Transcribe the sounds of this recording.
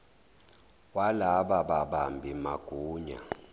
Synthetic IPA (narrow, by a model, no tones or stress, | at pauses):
walaɓaɓaɓambʱimaɡ̥ʱuːɲa̰